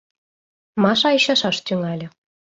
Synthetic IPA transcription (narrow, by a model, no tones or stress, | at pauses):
mɑʃɑiɕɑʃɑʃt̪yŋɑlʲɤ̆